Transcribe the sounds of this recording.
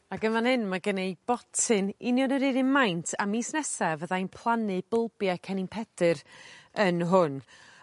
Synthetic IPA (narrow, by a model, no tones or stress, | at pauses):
aɡəmanhɨnmaɡənejb̥ɔtʰɨnɪnjɔnəɾɪɾɪnmajntʰamiːsnɛsɛvəðajnpʰlˠanɨb̥əlˠbjakʰɛninpʰɛdɨɾənɦʊn